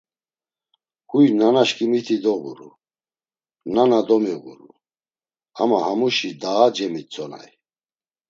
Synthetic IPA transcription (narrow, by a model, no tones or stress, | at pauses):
kujnanaʃkʰʼimit̪ʰid̪ɔbuɾṵ | nanad̪ɔmiɣṵɾu | a̰mahamuʃid̪aːd͡ʒɛmit͡sʼɔna̰j